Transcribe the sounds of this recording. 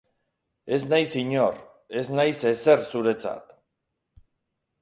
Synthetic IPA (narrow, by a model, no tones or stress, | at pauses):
e̞znajsiɲo̞r | e̞znajse̞se̞rsuɾe̞t͡sa̰t̪